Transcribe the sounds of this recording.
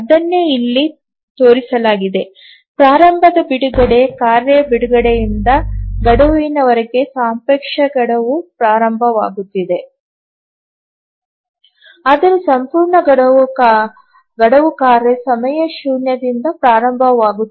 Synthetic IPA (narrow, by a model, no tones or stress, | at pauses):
ɐd̪ɐnːeilːi | t̪oːɾisɐlaːɡid̪e̞ | pɾaːɾɐmbʱɐd̪ɐbiɽuɡɐɽe̞kaːɾebiɽuɡɐɽejind̪ɐɡɐɽɐʋinɐʋɐɾɐɡe̞saːmpekʂɐɡɐɽɐʋupɾaːɾɐmbʱɐʋaːɡut̪ːid̪e | aːd̪ɐɾusɐmpuːɾɳɐɡɐɽɐ | ɡɐɽɐʋukaːɾesɐmɐjɐʃuːnjɐd̪ind̪ɐpɾaːɾɐmbʱɐʋaːɡu